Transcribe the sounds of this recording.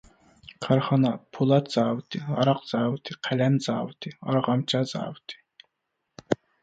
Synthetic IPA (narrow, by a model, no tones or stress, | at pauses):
qʰɑɾχɑnɑpʰulˠɑt̪z̥ɑːwɨt̪ʰiɑɾɑq̚z̥ɑːwɨt̪ʰiqʰælɛmzɑːwɨt̪ʰiɑɾʁɑmt͡ʃʰɑzɑ̰ːwɨt̪ʰi̥